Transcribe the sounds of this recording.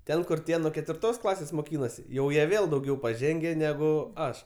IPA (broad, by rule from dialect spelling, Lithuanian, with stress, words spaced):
ˈtʲɛn kʊr ˈtʲiɛ nuɔ kʲɛtʲʋʲɪrˈtoːs ˈklˠɑːsʲeːs moːˈkʲiːnoːsʲɪ ˈjɛʊ ˈjiɛ ˈʋʲeːlˠ dɐʊˈɡʲɛʊ pɐˈʒʲɛŋʲɡʲɛ ˈnʲæːɡʊ ˈɐʃ